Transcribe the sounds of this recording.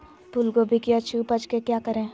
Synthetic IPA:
pulɡobʱikiɐt͡ʃʰuːpət͡ʃkekjaːkɐɾẽː

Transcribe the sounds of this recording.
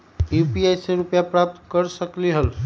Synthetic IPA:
jupiajseɾupjapɾap̚t̪kəɾsəkliɦəl

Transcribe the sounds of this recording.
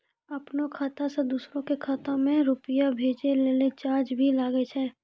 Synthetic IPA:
ɐpnokʰaːt̪ased̪uːsɾõkekʰaːt̪omẽɾʊpɪjabʱeːd͡ʒeleːlet͡ʃaːd͡ʒbʱilaːɡet͡ʃʰɛː

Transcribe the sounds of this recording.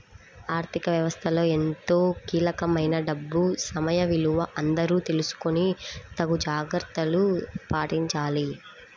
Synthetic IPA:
aːɾt̪ʰikɐʋjɐʋɐst̪ʰɐlo̞ːe̞nt̪oːkiːlɐkɐmɐjnɐɖɐbːusɐmɐjɐʋiluʋɐʔɐnd̪ɐɾuːt̪e̞lusu̥konit̪ɐɡud͡ʒaːɡɾɐɾt̪ɐlupaːʈiɲt͡ʃaːli

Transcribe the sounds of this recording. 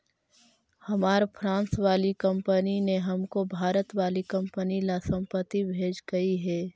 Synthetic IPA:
hɐmaːɾpʰɾãːnsʋaːlikɐ̃mpənineɦɐmkobʱaːɾət̪ʋaːlikɐ̃mpənilasə̃mpət̪ːibʱeːd͡ʒɡɐiɦɛː

